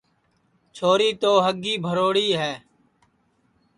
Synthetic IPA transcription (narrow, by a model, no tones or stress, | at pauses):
t͡ʃʰoːɾiːt̪oːɦəɡːiːbʱəɾoːɽiːɦɛː